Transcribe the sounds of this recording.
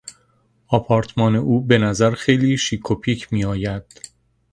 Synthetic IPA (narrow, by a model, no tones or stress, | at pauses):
ɒːpʰɒːɾt̪ʰmɒːne̞ʔuːbe̞næzæɾxe̞jliːʃiːkʰopʰiːcʰmiːɒːjæd̪̥